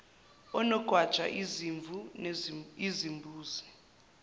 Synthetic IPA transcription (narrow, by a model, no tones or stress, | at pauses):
ɔnɔɡ̥ʱwad̥ʒ̥ʱa̰ʔiziɱvu | izimbʱuːzi̥